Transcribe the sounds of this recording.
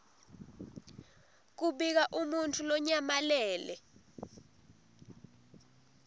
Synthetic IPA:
k̬uɓik̬aʔumuntʰulɔɲamalɛːlɛ

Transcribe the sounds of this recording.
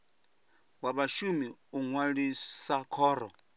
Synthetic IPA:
waβaʃumiuŋwaɺisakʰɔːɾɔ̰

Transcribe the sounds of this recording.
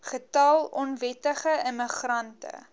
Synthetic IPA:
χətɐlˠɔnvɛtəχəəməχrɐntə̰

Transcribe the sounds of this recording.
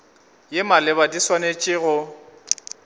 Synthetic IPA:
jɪmalɪβadiswanet͡ʃʼɪɣʊ

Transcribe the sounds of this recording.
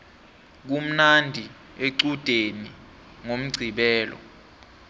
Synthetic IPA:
k̬um̩nandʱi | eǀud̥ʱeni | ŋom̩ɡ͡ǀʱiɓɛːlɔ̰

